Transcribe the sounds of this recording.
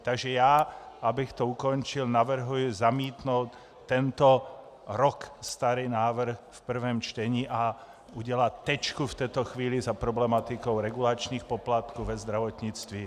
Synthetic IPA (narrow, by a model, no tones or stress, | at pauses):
t̪aɡʒɛjaːabixt̪ɔukɔnt͡ʃilnaʋr̩ɦujʊzamiːt̪nɔʊt̪ː | ɛnt̪ɔ | ɾɔkst̪aɾiːnaːʋr̩xfpr̩ʋɛmt͡ʃt̪ɛɲiːʔa | uɟɛlatt̪ːɛt͡ʃkuft̪ɛjt̪ɔxʋiːlizapɾɔblɛmat̪ikɔʊɾɛɡulat͡ʃniːxpɔplat̪kuːʋɛzd̪ɾaʋɔt̪ɲit͡st̪ʋi